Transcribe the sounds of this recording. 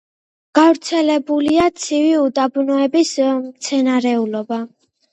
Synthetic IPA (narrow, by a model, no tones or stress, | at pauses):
ɡ̥avɾt̪sʰɛlɛbuliat̪sʰiviud̪abnɔɛbismt̪sʰɛnaɾɛulɔba